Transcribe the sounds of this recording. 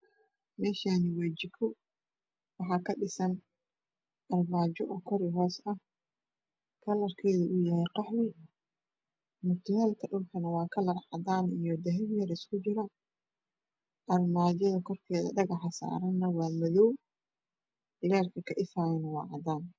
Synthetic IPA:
mɛːʃaːnɪwɛːt͡ʃɪkʰɔ | wɑħɑːkʰɐɖɪsɐn | ʔɐrmaːd͡ʒɔʔɔkʰɔɾɪɦɔːsɐh | kʰɐlɐrkʰɛːðɐʔʊjɐhɛjqɑħwɪ | mʊrt̪ʰɐhɛːlk̪ʰɐɗʊmkʰɐnɐwɑːkʰɐlɐrħɑ̰d̪aːnijɔd̪ɛɦɛmjɐɾɪskʰʊt͡ʃɪɾɐ | ʔɐrmaːd͡ʒɐðɐkʰɔrkʰɛːðɐ̰ɖɐɣɐħɑsa̰ːɾɐnːɐwɑːmɐðɔw | lɛːrkʰɐkʰɐʔɪfaːjɐnɐwɑ̰ːʕɑd̪aːn

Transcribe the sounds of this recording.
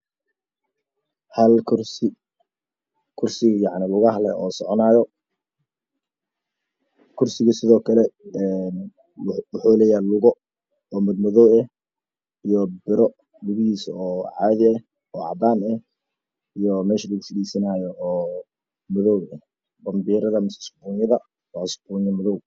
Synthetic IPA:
hɐlʰrɪ | kʰʊrsɪɣjɑʕnɪlʊɣɐɦlɛɔːsɔʕɔnaːjɔ | kʰʊrsɪɣɐsɪðɔːkʰɐlɛɛn | wʊħuːlɛːjaːlʊɣɔ | ɔːmɐd̪mɔðɔwɛh | ijɔbɪɾɔ | lʊɣɪhiːsɔːʕɑːðɪɛh | ɔːʕɑ̰d̪aːnɛh | ijɔmɛːʃɐlɪksɪɡiːsɐnaːjɔɔː | mʊðɔwɛh | bɐmbiːɾɐðɐmɪsɛsbunjɐðɐ | ɔsbunjɐmɐðɔw

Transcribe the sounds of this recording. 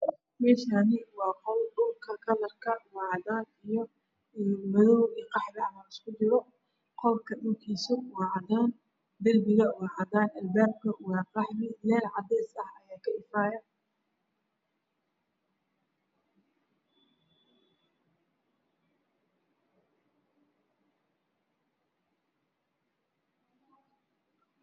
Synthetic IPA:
mɛːʃanɪwɑːqɔwɖʊlkʰɐkʰɐlɐrkʰɐwɑːʕɑd̪aːnijɞ | mɐðɔwiːqɑħðɪʕnɐɪskʰʊd͡ʒɪɾɔ | qɔlkʰɐɗʊlkʰiːsʊwɑːʕɑðaːn | d̪ɐlbɪɣɐwɑːʕɑd̪aːnɐlbaːb̚kʰɐwɑːqɑħmɪlɛːlʕɑd̪ɛjsɐhɐjaːkʰɐɪfaːjɐ

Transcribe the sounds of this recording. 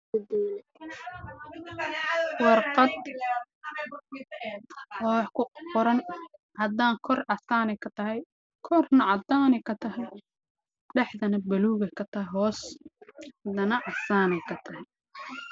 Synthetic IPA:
ɐd̪iːlɛ | wɑrqɑd̪̚ | hɔħkʰʊqɔɾɐn | ʕɐd̪aːŋkʰɔrɐsaːnɛjkʰɐt̪ʰɐɦɛj | kʰɔrnɐʕɑd̪aːnɛjkʰɐt̪ʰɐɦɛj | ɖɛħðɐnɐbɐluːɣɛjkʰɐt̪ʰɐɦɛɦɔːs | ɐd̪ɐnɐʔɑsaːnɛjkʰɐt̪ʰɐɦɛj

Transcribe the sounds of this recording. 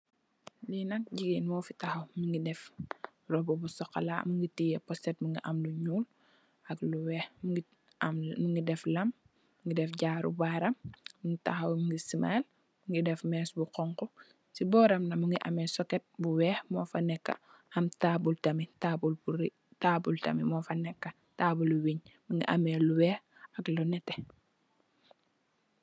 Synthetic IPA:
linɐk̚ɟiɡinmɔːfitɐxɐwmiŋɡidɛf | rɔbɔbusɔxɐ̰la̰muŋɡitijɛpɔstɛt̚muŋɡiʔɐmluɲuːl | ɐkluwɛːhɡi | muŋɡidɛflɐm | ŋɡidɛfɟaːɾṵbaɾɐmːuŋɡita̰xɐwmiŋɡisimal | muŋɡidɛfmɛːsbuqɔŋkɔ | sibɔːɾɐmnɐmuŋɡiʔɐmɛsɔkɛt̚buwɛːhmɔːfɐnɛkːa̰ | ɐmtabultɐmitabulbuɾi | taːbultɐ̰mimɔfɐnɛkːɐ | taːbuluwiɲmuŋɡḭʔameluwɛːh | ɐklɔnɛtːe

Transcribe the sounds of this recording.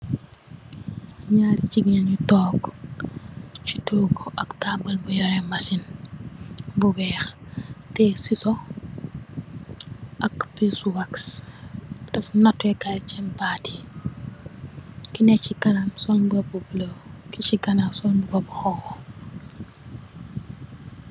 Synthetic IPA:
ɲaːɾiciɡinɐɲutɔːk | t͡ʃituːɡɔʔɐktaːbɐlbujɔɾɛmɐsin | bubɛːxtɛsisɔ | ʔɐkpisuwaks | dɐfnɐtːɛkalt͡ʃɛmbatʰi̥ | kinɛcikɐnamsɔnbɐbubləwkit͡ʃikɐnamsɔnbubɐbxɔwx

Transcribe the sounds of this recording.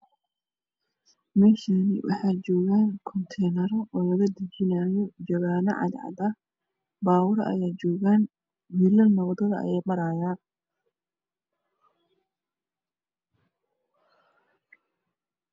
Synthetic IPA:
mɛːʃanɪ̰wʔɑ̰ħɑːt͡ʃɔːɣaːnkʰɔnt̪ʰɛjnɐɾɔʔɔːlɐɣɐd̪ɐt͡ʃɪnaːjɔd͡ʒɐɣaːnɐ̰ʕɑ̰d̪ʕɑ̰d̪ɐ | baːwɑɾɐʔɐ̰jaːt͡ʃɔːɣaːn | milɐlnɐwd̪ɐðɐɐ̰jɛjmɐɾaːjaː

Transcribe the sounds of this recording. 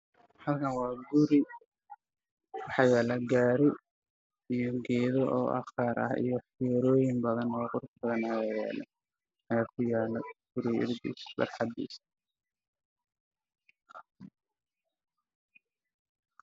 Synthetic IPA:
hɐlkʰɐnwɑːɡʊɾɪ | wɑħɑjɛːlɛɡaːɾɪ | ijɔɡɛːðɔʔɔ̰ːʔɑ̰χaːɾɐ̰hḭjɞħɪɾɔːjɪŋbɐðɐnwɑːqʊɾsbɐðɐnajːaːjɛ̰ːlɛ̰ | ʔɐjaːkʰʊjaːlɛɡ̥ʊɾiɪ̰rd̪ḭːsbɐ̰rħɑd̪ḭːs

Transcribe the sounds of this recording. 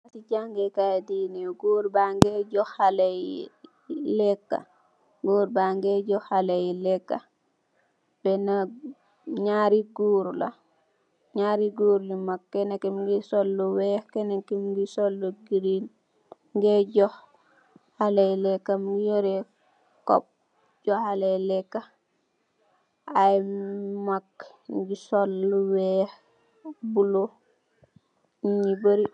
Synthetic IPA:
atiɟaŋɡɛkajdiːniɡuːɾbaŋɡɛɟɔhalaj | lɛkːa̰ | ɡuːɾbaŋɡɛɟɔhalajlɛkːa | b̥ɛna | ɲaːɾiɡuːɾla̰ | ɲaːɾiɡuːɾlimakːɛnakimɡisolːɔwɛhkɛnakimɡisɔlːuɡiɾin | ŋɡɛɟɔh | halɛlɛkːamɡijoɾɛ | kɔ̰p̚ | ɟɔhalɛjlɛkːa | ajmak | ɡisɔlːuwɛh | bulo | iɲibəɾi

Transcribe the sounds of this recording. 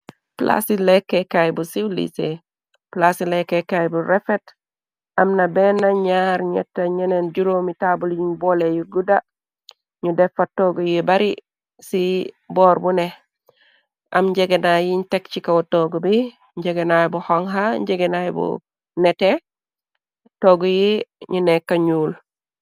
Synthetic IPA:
pla̰silɛkːɛkajbusiwlḭsḛ | plasilɛkːɛkajbuɾɛfɛt | ɐmnabɛnaɲaɾɲɛ̰tːaɲɛnend͡ʒuɾomitabuljiɲbɔlejuɡuda | ɲudɛfatːoːɡɔjibaɾi | si | bɔːɾbune | ʔa̰mɲɟeɡenajiɲtekt͡ʃikawotoːɡubi | ɲɟeɡenajbuhoŋɦaɲɟeɡenajbṵ | nete | toɡujiɲunɛkːaɲuːl

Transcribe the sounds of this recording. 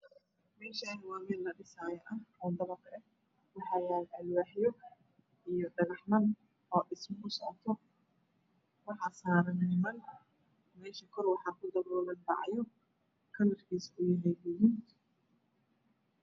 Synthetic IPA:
mɛːʃɐɦɐwaːwɛːllɐɖɪsaːjɐʔɐhɔːd̪ɐβɐkʰɐɛ | wɑħɑːjaːlʕɐlwaːħjɔ | ʔijɔɖɐɣɐħmɐn | ɔːɗɪsmɐkʊsɔʕɔt̪ʰɔ | wɑħɑːsaːɾɐnɪnɪmɐn | mɛːʃɐkʰɔrwɑħɑːkʰʊd̪ɐɾɔːlɐnbɑ̰ʕɑ̰jɔ | kʰɐlɐrkʰiːsʊjɪɦɛjlɪjin

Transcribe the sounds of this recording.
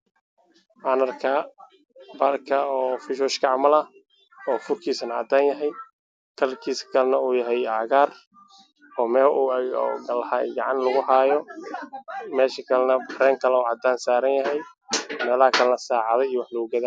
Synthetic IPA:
ʔanɐrkʰa | baːrkʰɐɔːfɪʃɔːʃkʰɐʕmɐlɐ | ɔːfʊrkʰiːsɐnɐʕɐd̪aːnjɐɦɛj | kʰɐlkʰiːsɐ̥kʰɐlɛnɐuːjɐɦɛjaːɣaːr | ɔːmɛːlɔ̰ɡɐlhaːɡɑʕɑnlɐɣʊhaːjɔ | mɛːʃɐkʰɐlɛnɐbɾɛːŋkʰɐlɛuːʕɑd̪aːnsaːɾɐnjɐɦɛj | mɛːlaːkʰɐlɛnɐsaːʕɑðɛijwɑħlʊɣʊɡɐða

